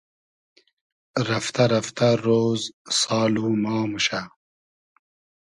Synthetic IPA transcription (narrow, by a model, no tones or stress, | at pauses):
ɾɐft̪ɐɾɐft̪ɐɾoːzsɑːluːmɑːmuɕa